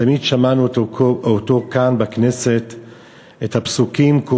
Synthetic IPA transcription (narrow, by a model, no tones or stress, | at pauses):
amidʃamanuot̪okanbakne̞se̞t̪ | ethapsukimko